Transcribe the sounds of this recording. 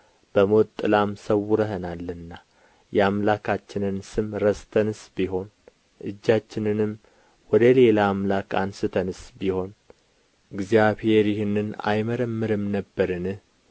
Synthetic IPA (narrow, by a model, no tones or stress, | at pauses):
b̥əmo̞t̪ʼːɨlamsəwːuɾəɦənalːɨnːa | jɛamlakʰat͡ʃːɪnɨnsɨmɾəst̪ʰənɨsbiɦo̞n | ʔɨd͡ʒːat͡ʃːɪnɨnɨm | wɔd̪əle̞laːmlaka̰nsɨt̪ʰənɨsbiho̞n | ɨɡzijaβhe̞ɾjɪhɨnːɨna̰jməɾəmːɨɾɨmnəbːəɾɨnɨh